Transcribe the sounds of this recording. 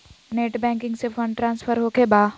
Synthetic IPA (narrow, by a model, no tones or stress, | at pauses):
neːʈbɛ̃ːŋkɪ̃ŋɡsefə̃ɳɖʈɾãːnsfʰəɾɦoːkebaː